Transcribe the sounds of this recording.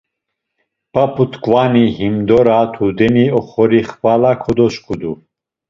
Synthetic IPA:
papʰut̪kʼwanihimd̪ɔɾat̪ʰud̪ɛniɔχɔɾiχpalakʰɔd̪ɔʃkʰʼud̪u

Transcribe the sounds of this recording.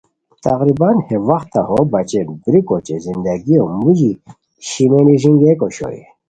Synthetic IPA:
t̪ʰa̰ʁɾibanhevaxt̪ʰahobat͡ɕebɾikot͡ɕezind̪aɡiomuʑi | ɕimeniʐinɡekoɕo̰jḭ

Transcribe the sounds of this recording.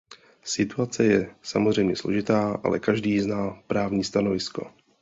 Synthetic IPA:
sɪt̪uat͡sɛjɛsamozrɛjmɲɛslo̞ʒɪt̪aːʔa̰lɛ̰kaʒdiːznaːpɾaːvɲiːst̪ano̞vɪsko̞̰

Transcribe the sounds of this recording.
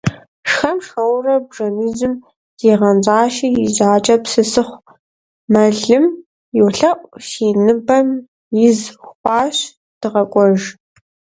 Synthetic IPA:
ʂxɐmʂɐwrɐbʐɐmiːzɨm | d̥iːʁɐnd͡ʒʼaːʃijɪzaːt͡ʃʼɐpsɨsɨχʷ | mɐɮɨm | juwɬɐʔʷʼʃiːnɨbɐm | jɪzχʷɑːɕ | d̥ɨʁɐkʷʼɔʒ

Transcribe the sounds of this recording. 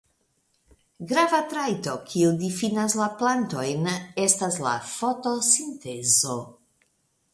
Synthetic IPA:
ɡɾavatɾajto̞kʰiudifinaslaplanto̞jne̞stasla̰fo̞to̞sinte̞zo̞

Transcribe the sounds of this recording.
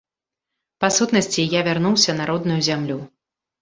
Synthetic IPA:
pasut̪nɐsʲt͡sʲijavʲarn̪uwsʲɐnaɾɔd̪nujuzʲamlʲu

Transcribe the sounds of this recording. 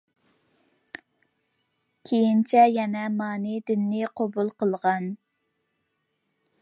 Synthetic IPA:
kʲʰejint͡ʃʰɛjɛnɛmɑːnɨd̪ɪnːɪqʰobulˠqəlˠʁɑn

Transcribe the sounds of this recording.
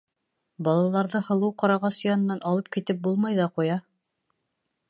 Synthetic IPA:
bɑlˠɑlˠɑɾðɤhɤ̆lˠɤwqɑɾɑʁɑsjɑnɤ̆nːɑnʔɑlˠɤp̚kit̪ɘp̚bulˠmɑjðɑqujɑ

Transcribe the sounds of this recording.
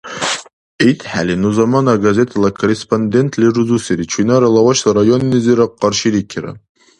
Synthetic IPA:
it̪ʰħa̰linuzamanaɡazet̪ʰalakʰoɾespʰond̪ent̪ʰliruzusiɾit͡ʃʰinaɾalawaʃlaɾajonːiziɾaqːɑrʃiɾikʰʲiɾa̰

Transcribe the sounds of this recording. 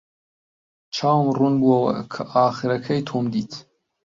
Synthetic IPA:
t͡ʃʰaːwmrunbuɐwɐ̰kʰɐʔaːχɨɾɐkʰɐjt̪ʰoːmd̪iːt̪ʰ

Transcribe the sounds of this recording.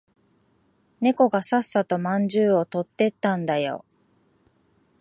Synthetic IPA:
ne̞ko̞ɡasasːat̪o̞mãɲd͡ʑɨːo̞t̪o̞t̪ːe̞t̪ːãnd̪ajo̞̰

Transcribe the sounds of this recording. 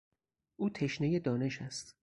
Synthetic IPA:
ʔuːt̪ʰe̞ʃneje̞d̪ɒːne̞ʃæst̪

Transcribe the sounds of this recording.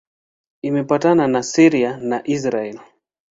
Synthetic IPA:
imɛpatananasiɾianaʔis̬ɾaɛli

